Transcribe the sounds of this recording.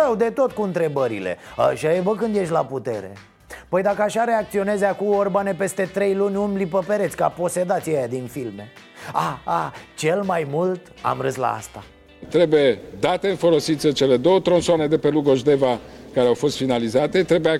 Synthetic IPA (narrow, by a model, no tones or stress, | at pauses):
awd̪e̞t̪o̞t̪kuɨnt̪ɾe̞bəɾḭle̞̰a̰ʃajevəkɨnd̪je̞ʃt̪ʲlaput̪e̞ɾe̞̰ | pəjd̪akəaʃaɾeak̚t̪sio̞nezakuorbane̞pe̞st̪e̞t̪ɾe̞jlunʲunblipəpe̞ɾet̪sʲkapo̞se̞d̪at̪sʲjejad̪infilme̞ | aat͡ʃe̞lmajmult̪ | a̰mɾɨsla̰a̰st̪a | t̪ɾe̞bujed̪at̪e̞ɨnfo̞lo̞sit̪sʲət͡ʃe̞le̞d̪o̞wət̪ɾo̞nsoane̞d̪e̞pe̞luɡo̞ʒd̪e̞vakaɾeawfo̞st̪finalizat̪et̪ɾe̞buja